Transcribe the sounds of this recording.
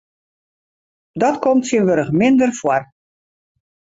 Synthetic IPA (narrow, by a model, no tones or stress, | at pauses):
dɔtkʰomtsiənʋøɾəxmɪndərfwɔr